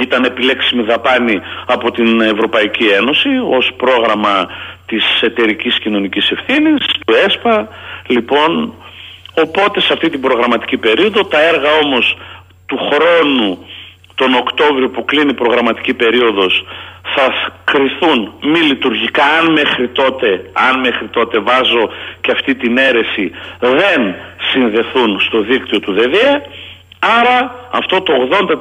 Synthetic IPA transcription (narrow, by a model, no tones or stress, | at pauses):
it̪ɐne̞pile̞ksimiðɐpɐniɐpo̞t̪ine̞vɾo̞pɐicie̞no̞sio̞spɾo̞ɣɾɐmɐt̪ise̞t̪e̞ɾiciscino̞nicise̞fθinist̪ue̞spɐlipo̞n | o̞po̞t̪e̞seɐft̪it̪ibɾo̞ɣɾɐmɐt̪i̥cipe̞ɾio̞ðo̞t̪ɐe̞ɾɣɐo̞mo̞s | t̪uxɾo̞nu | t̪o̞no̞kt̪o̞vɾiopuklinipɾo̞ɣɾɐmɐt̪i̥cipe̞ɾio̞ðo̞sθɐkɾiθunmilit̪uɾʝikɐːnme̞xɾit̪o̞t̪e̞ɐnme̞xɾit̪o̞t̪e̞vɐzo̞ceɐft̪it̪ine̞ɾe̞siðe̞nsinðe̞θunst̪o̞ðikt̪io̞t̪uðe̞ðiɐ | ɐɾɐɐft̪o̞t̪o̞ːɣðo̞nd̪ɐ